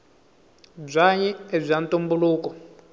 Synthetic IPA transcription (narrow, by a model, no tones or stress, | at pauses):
b͡ʐʷaɲɛeb͡ʐʷantʼumbuluːkɔ